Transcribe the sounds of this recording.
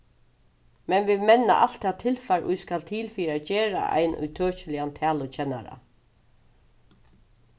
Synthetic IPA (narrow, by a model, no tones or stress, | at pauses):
mɛnʋiðmɛnːa̰ʔal̥t̪ʰːɛːt̪ʰːɪlfaɾʔʊ̰jskalt̪ʰiːlfiːɾaːd͡ʒeːɾa̰ʔa̰jnʔʊ̰jt̪ʰœːt͡ʃɪlɪant̪ʰæːlʊt͡ʃʰɛnːa̰ɾa̰